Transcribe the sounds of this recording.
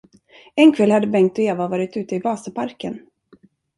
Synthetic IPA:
ɛnkʰvɛlhad̪ːəbɛŋkt̪ɔeːvavɑːɾɪt̪ʉ̟ːt̪əɪvɑːsəpʰaɾkən

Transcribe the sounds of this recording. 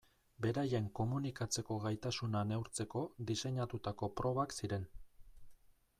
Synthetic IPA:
be̞ɾaje̞ŋko̞munikat͡se̞ko̞ɣajt̪asunane̞wɾt͡se̞ko̞d̪ise̞ɲat̪ut̪ako̞pɾo̞βaksiɾe̞n

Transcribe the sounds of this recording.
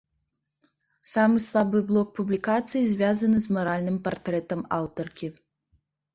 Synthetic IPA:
samɨslˠabɨblˠɔk̚publʲikat̪sɨjizʲvʲjazɐnɨzmɐɾalʲnɨmpɐrt̪ɾɛt̪ɐmawt̪ɔrkʲi

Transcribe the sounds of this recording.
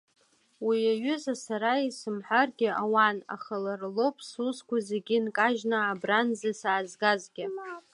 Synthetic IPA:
wiaɥʏzasaɾaisɨmħʷarɡʲɪʔawana̰χalarlo̞pʰʼsuskʷʰazeɡʲɪnkʼaʒnaːbranzasaːzɡazɡʲɪ

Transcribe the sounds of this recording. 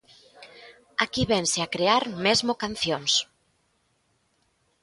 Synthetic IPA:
akiβɛnseakɾeaɾmezmokanθjoŋs

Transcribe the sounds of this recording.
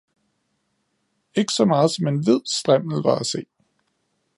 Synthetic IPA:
e̝ɡ̥ə̥sɒ̽mɑ̈ːð̩ˠsɒ̽me̝nʋe̝ð̰ˠsd̥ʁɛm̰l̩ʋɑ̈æse̝̰ː

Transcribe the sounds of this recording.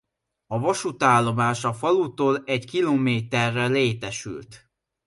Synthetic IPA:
ɒvɒʃut̪aːlːo̞maːʃɒfɒlut̪oːlɛɟkiloːmeːt̪ɛrːɛleːt̪ɛʃy̰lt̪

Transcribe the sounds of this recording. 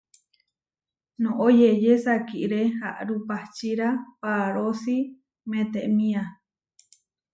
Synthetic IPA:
nõʔojejesakiʔɾeha̰ʔɾupat͡ʃiɾapaɾosi | mẽt̪eʔmĩa

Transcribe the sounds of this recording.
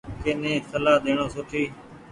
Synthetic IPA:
keːnẽːsəlaːd̪eːɳõːsʊʈʰiː

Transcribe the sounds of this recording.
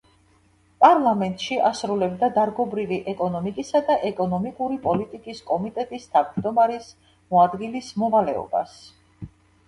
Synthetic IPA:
pʼaɾlˠamɛnt̪ʼʃiʔasɾulɛbd̪ad̪aɾɡɔbɾiviʔɛkʼɔnɔmikʼisad̪aʔɛkʼɔnɔmikʼuɾipʼɔlit̪ʼikʼiskʼɔmit̪ʼɛt̪ʼist̪ʰavd͡ʒd̪ɔmaɾis | mɔad̪ɡilismɔvalɛɔ̰ba̰s

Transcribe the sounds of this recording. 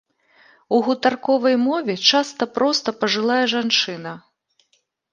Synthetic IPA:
uɣut̪arkɔvɐjmɔvʲɛt͡ʂast̪ɐpɾɔst̪ɐpɐʐɨlˠajɛʐant͡ʂɨn̪ɐ

